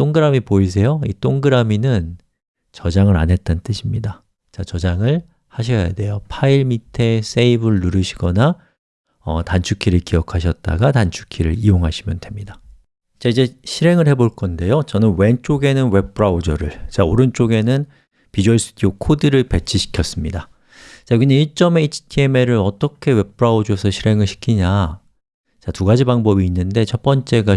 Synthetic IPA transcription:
t͈oŋɡɯɾamipois̬ʰe̞joit͈oŋɡɯɾaminɯn | t͡ɕʌd͡ʑaŋɯɾa̰nɦe̞t̚t͈ant͈ɯɕʰimɲida | t͡ɕat͡ɕʌd͡ʑaŋɯɭ | haɕ̬ʰʌja̰de̞jopʰaiɭmitʰe̞s͈ʰeibɯɭːuɾɯɕʰiɡʌna | ʌ̰tant͡ɕʰukʰiɾɯɭkijʌkʰaɕ̬ʰʌt̚t͈a̰ɡatant͡ɕʰu̥kʰiɾɯ̰ɾioŋɦaɕʰimjʌndwe̞mɲida | t͡ɕaid͡ʑe̞ɕʰiɾe̞ŋɯɭhe̞boɭk͈ʌnde̞jot͡ɕʌnɯnwe̞nt͡ɕ͈oɡe̞nɯnwe̞p̚pɯɾaud͡ʑʌɾɯɭt͡ɕaoɾɯnt͡ɕ͈oɡe̞nɯn | pid͡ʑuʌɭs͈ʰtʰiokʰodɯɾɯɭpe̞t͡ɕʰiɕʰi̥kʰjʌs͈ɯmɲida | t͡ɕaɡinɯiɭt͡ɕ͈ʌme̞it͡ɕʰi̥tʰie̞me̞ɾɯɾʌt͈ʌkʰe̞we̞pʰɯɾaud͡ʑosʰʌɕʰiɾe̞ŋɯɭɕʰi̥kʰiɲa | t͡ɕatuɡad͡ʑibaŋbʌbiːnːɯnde̞t͡ɕʰʌp͈ʌnt͡ɕ͈e̞ɡa

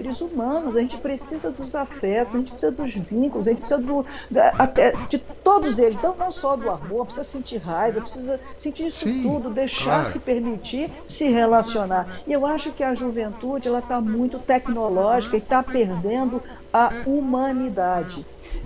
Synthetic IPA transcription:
ɾɪzumɐ̃nʊzɐʒẽnt͡ʃɪ̥pɾesizɐd̪ʊzafɛt̪ʊz̥aɐʒẽt͡ʃɪ̥pɾe̥sizɐd̪ʊzvĩkʊlʊzaʒẽt͡ʃpɾesizɐd̪ʊd̪at̪ɛd͡ʒɪt̪od̪ʊzelɪznɐ̃w̃nɐ̃w̃sɔd̪ʊaɦoɾpɾesizɐsẽnt͡ʃiɾɦajvɐpɾesizɐ | sẽt͡ʃiɾisʊt̪ud̪ʊd̪ejʃaɾsɪpeɾmit͡ʃiɾ | sɪɦelasionaɾɪewaʃʊkɪɐʒuvẽnt̪ud͡ʒɪɛlɐt̪amũj̃t̪ʊt̪ɛknolɔʒikɐɪt̪apeɾd̪ẽnd̪ʊ | ɐumɐ̃nid̪ad͡ʒɪ

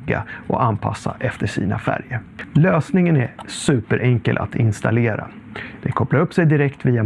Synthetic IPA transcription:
ɡa̰ʔɔ̰ʔanpʰa̰sːaʔɛft̪əʂḭːnafæ̰ɾjəɾløːsnɪŋənæsʉːpəɾʔɛŋkəlʔa̰t̪ɪnst̪aleːɾa̰ | d̪̥ɛkʰɔplaɾɵpːsɛjd̪ɪɾɛkt̪viːa

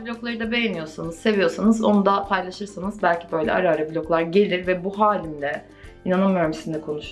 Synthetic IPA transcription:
blʲo̞klˠaɾɯd̪abe̞jenijo̞ɾsanɯz̥se̞vijo̞ɾsanɯzo̞nud̪apʰajlˠaʃɯɾsanɯzbælʲcʰibø̞jlʲɛ̰ʔa̰ɾaːɾɯblʲo̞klˠaɾɟe̞lʲiɾvɛbuɦaːlʲimd̪ʲɛ | inananmɯjo̞ɾmisind̪ɛkʰo̞nuʃ

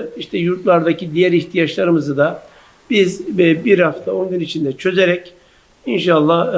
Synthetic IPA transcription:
iʃt̪ʰɛjuɾt̪lˠaɾd̪acid̪ijæɾiçt̪ʰijat͡ʃlˠaɾɯmɯzɯd̪a | b̥izbiɾhaft̪ʰao̞nɟynit͡ʃʰind̪ɛt͡ʃʰø̞ze̞ɾɛc | inʃalˠːa

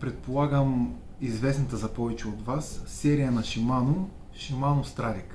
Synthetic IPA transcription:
pɾɛt̪̚polˠaɡəm | izvɛsnɐt̪əzɐpɔvɛt͡ʃɛod̪vasːɛɾijənɐʃimano | ʃimanost̪ɾaɾik

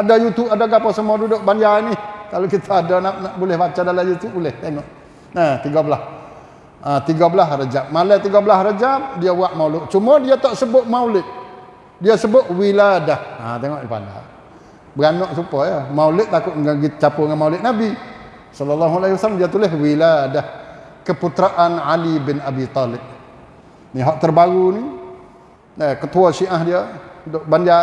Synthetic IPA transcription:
adajut̪upadaɡapɔsəmɔdudʊʔbandainikalokit̪ʰaːdanaʔnaʔbulɪhbat͡ʃadalajut̪upulɪht̪eŋɔʔ | nat̪iɡabəlas | at̪iɡabəlasɾad͡ʒap̚malat̪iɡabəlasɾad͡ʒap̚diawaʔmaulʊʔt͡ʃumɔdiat̪ɔʔsəbʊʔmaulɪʔ̪̚ | diasəbʊʔwiladaha̰t̪eŋɔʔdipa̰da̰ | bəɡanɔʔsupɔjamaulɪʔ̪̚t̪akʊʔ̪ɡaɡit͡ʃapuŋanmaulɪʔ̪̚nabi | sɔlalːaɦualaiwasalamdiat̪ulɪɦwiladah | kəput̪ɾaʔanʕalibɪnabit̪ɔlɪb̚ | niɦɔʔt̪ərbaɣuni | əkət̪uaʃiʔahdiədʊʔband͡ʒa

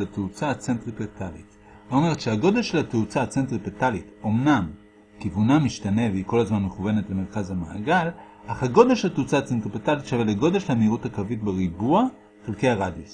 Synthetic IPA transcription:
lateut͡saat͡sentʁipet̪alḭt | vaome̞ʁet̪ʃeaɡo̞d̪elʃelateut͡saat͡sentʁipetalito̞mnam | kivunamiʃtaneveiko̞lazmanmeχuve̞netbeme̞ʁkazhamaha̰ɡal | ʔaχhaɡo̞d̪elʃelat̪eut͡saat͡sentʁipetalitʃaveleɡo̞d̪eʃelamiʁuthakavitbeʁibua | χelke̞jaʁad̪jos

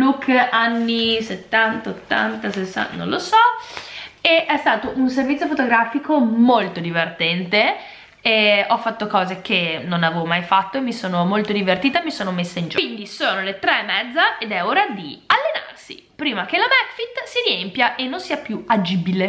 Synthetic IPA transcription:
lukːanːiset̪ːant̪aot̪ːa̰nt̪asesa̰nõ̰losɔ | eɛst̪aːt̪oʔunservit̪sjofot̪oɡɾaːfikomolt̪od̪ivert̪ɛnt̪e | ɛɔfːat̪ːokɔːzek̟enonavevomajfat̪ːoemːisoːnomolt̪od̪ivert̪iːt̪amisoːnomesːaind͡ʒind̪isoːnolet̪ɾɛmːɛd̪zːaʔed̪ɛoɾad̪ialːena̰rsḭ | pɾiːmak̟elamɛt̪fit̪ːsiɾiempjaʔenːonsiːapjuad͡ʒibile

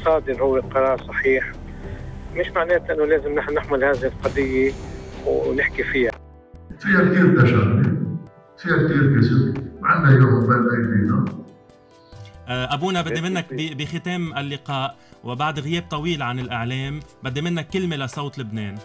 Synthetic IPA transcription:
sˤɑːd̪ɪɾhʊwːɪlqɑɾˤɑːɾˤsˤɑħiːħ | mɪʃmaʕneːt̪ʔɪnːʊleːzɪmnɪħnanɪħmʊlhaːðɪhɪlqɑd̪ˤɪjːɪwnɪħkifiːha | fiːhak̚t̪iːɾt̪aʃaɾni | fiːak̚t̪iːɾkɪsɪbmaʕanːajʊhʊbalʔajfiːna | ʔʔabuːnabɪd̪ːemɪnːakbibixɪt̪eːmalːɪqɑːʔwɪbaʕd̪ɣɪjeːb̚t̪ˤɑwiːlʕanɪlʔɪʕleːmbɪd̪ːemɪnːakːɪlmelasˤɑwt̪ˤlɪbneːn

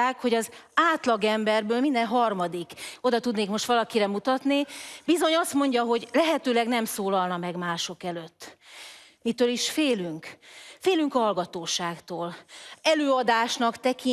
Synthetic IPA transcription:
aːkho̞ɟɒzaːt̪lɒɡɛmbɛrbøːlmind̪ɛnɦɒrmɒd̪iko̞d̪ɒt̪ud̪neːkmo̞ʃt̪ʋɒlɒkiɾɛmut̪ɒt̪nibizo̞ɲɒst̪mo̞ɲɟɒɦo̞ɟlɛɦɛt̪øːlɛɡnɛmsoːlɒlnɒmɛɡmaːʃo̞kɛløt̪ː | mit̪øːliʃfeːlyŋkfeːlyŋkɒɦɒlɡɒt̪oːʃaːkt̪oːlɛløːɒd̪aːʃnɒkt̪ɛki

